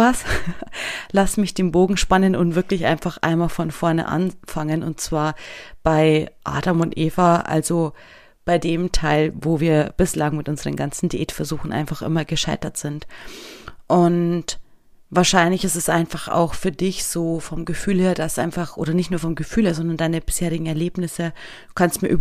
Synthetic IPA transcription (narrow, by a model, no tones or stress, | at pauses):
as | lasmɪçd̥eːnboːɡŋ̩ʃpanənʊntvɪɐklɪçʔa̰ɪnfaχʔa̰ɪnmaːlfɔnfɔɐnə̰ʔa̰nfaŋənʊ̰nt̚t͡sv̥aːɐb̥aɪʔa̰ːdamʊntʔeːfɐʔa̰lzo | b̥aɪdeːmtʰaɪlvoːviːɐb̥ɪslaŋmɪtʔʊnzəʁə̰nɡant͡sn̩diʔeːtfɛɐzuːxn̩ʔa̰ɪnfaχʔɪ̰mɐɡəʃaɪtɐtz̥ɪnt | ʔʊnt | vaːɐʃaɪnlɪçɪstɛsʔaɪnfaχa̰ʊxfyːɐdɪçz̥oːfɔmɡəfyːlheːɐdasʔa̰ɪnfaχʔo̰ːɾɐnɪçtnuɐfɔmɡəfyːlheːɐzɔndɐndaɪnəbɪsheːʁɪɡŋ̩ɛɐleːbnɪsə | d̥uːkʰanstmiːɐʔyː